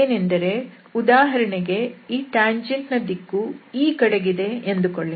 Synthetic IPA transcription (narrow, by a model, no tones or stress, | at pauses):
eːnend̪ɐɾe̞ | ud̪aːɦɐɾɐɳeɡe̞iːʈaːɲd͡ʒeɳʈnɐd̪ikːuiːkɐɽeɡid̪e̞end̪ukoɭːi